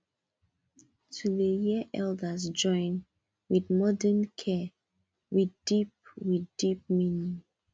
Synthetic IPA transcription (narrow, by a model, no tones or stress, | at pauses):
tʰuðəjiəʔɛldəs̬d͡ʒɔ̃ɪ̃n | widmɔdənkʰɛ | wiθdip̚wiθdip̚minĩ